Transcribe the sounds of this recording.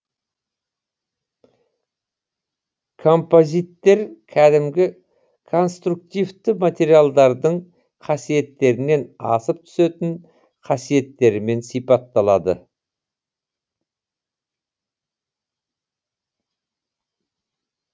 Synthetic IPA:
kʰo̞mpo̞zijt̪ːe̞ɾkʲʰæd̪ɪmɡʲɪ | kʰo̞nst̪ɾuk̚t̪ijvt̪ɪmat̪ʲe̞ɾijalˠd̪ɑɾd̪əɴ | qʰɑsije̞t̪ːe̞ɾɪne̞nɑ̰səp̚t̪ʰʏ̥se̞t̪ɪɴ | qʰɑsije̞t̪ːe̞ɾɪme̞nsijpɑt̪ːɑlˠɑd̪ə̰

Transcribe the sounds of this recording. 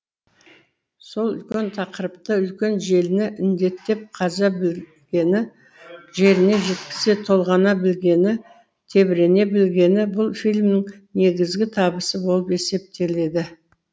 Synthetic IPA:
so̞lˠʏ̰lkʲe̞nt̪ʰɑqəɾəp̚t̪əʏlkʲe̞nʒe̞lɪnɪʔɪnd̪e̞t̪ːe̞p̚qʰɑzɑb | ɡʲenɪ | ʒe̞ɾɪne̞ʒe̞t̪̚kʲɪ̥se̞t̪ʰo̞lˠʁɑnɑbɪlɡʲe̞nɪ | t̪ʰe̞bɪɾe̞ne̞bɪlɡʲe̞nɪbʊlˠfijlʲmnɪŋ | ne̞ɡʲɪzɡʲɪt̪ʰɑbəsəbo̞lˠəpe̞se̞p̚t̪e̞le̞d̪ɪ

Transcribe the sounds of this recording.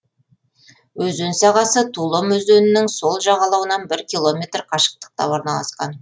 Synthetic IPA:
wɵzɵnsɑʁɑsət̪ʰulˠomɵzd̪ɵnɪnɪŋso̞lˠʒɑʁɑlˠɑwənɑnbɪɾkʲilˠo̞mʲe̞t̪rqʰɑʃə̥q̚t̪ə̥q̚t̪ɑ̰woɾnɑlˠɑsqɑ̰n

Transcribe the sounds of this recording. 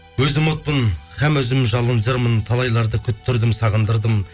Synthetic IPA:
wɵzɪmot̪̚pənχæmɵzɪmʒɑlˠənd͡ʒəɾmənt̪ʰɑlˠɑjlˠɑɾd̪əkʲʰʏt̪ʰːʏɾd̪ɪmsɑʁənd̪əɾd̪əm

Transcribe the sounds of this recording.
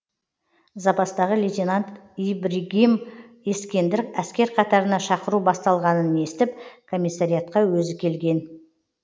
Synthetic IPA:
zɑpɑst̪ɑʁəlʲit̪ʲenant̪ibɾiɡʲim | e̞skʲe̞nd̪ɪɾɪkæskʲe̞ɾqʰɑt̪ɑɾənɑʃɑqəɾubɑst̪ɑlˠʁɑnəne̞st̪ɪp̚kʰo̞mʲijsːaɾʲijat̪̚qɑwɵzɪkʲʰe̞lɡʲe̞n

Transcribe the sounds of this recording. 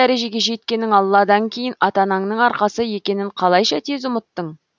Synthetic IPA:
æɾe̞ʒe̞ɡʲe̞ʒe̞t̪̚kʲe̞nɪŋɑlˠːɑd̪ɑŋkʲʰe̞jɪnɑt̪ɑnɑɴnəɴɑɾqɑsəje̞kʲe̞nɪɴqʰɑlˠɑjʃɑt̪ʰe̞zʊmət̪ːəɴ

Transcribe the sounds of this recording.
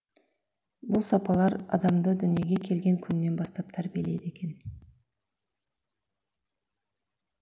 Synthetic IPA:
bʊlˠsɑpɑlˠɑɾɑ̰d̪ɑmd̪əd̪ʏnije̞ɡʲe̞kʲʰe̞lɡʲe̞ŋkʲʰʏnːe̞nbɑst̪ɑp̚t̪ʰæɾbielejd̪e̞kʲe̞n

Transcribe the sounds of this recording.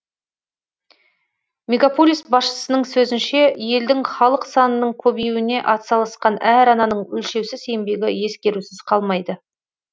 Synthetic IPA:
mʲeɡʲapo̞lʲijsbɑsʃə̥sənəɴsɵzɪnʃe̞je̞ld̪ɪŋχɑlˠəqsɑnənəɴkʲʰɵbejwɪne̞ʔɑt̪sɑlˠɑsqɑnæɾɑnɑnəɴɵlʃe̞wsɪze̞mbe̞ɡʲɪje̞skʲe̞ɾusɪzqʰɑlˠmɑjd̪ə

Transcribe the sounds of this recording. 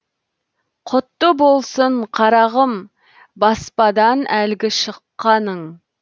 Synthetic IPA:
qʰʊt̪ːəbolˠsəɴqʰɑɾɑʁəm | bɑspɑd̪ɑnælɡʲɪʃəqːɑnəɴ

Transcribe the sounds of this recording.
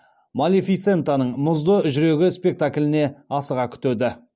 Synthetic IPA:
malʲifit̪se̞nt̪anəɴmʊzd̪əʒʏɾe̞ɡʲɪspe̞k̚t̪akʲlʲɪne̞ɑsəʁɑkʲʰʏ̥t̪ed̪ɪ

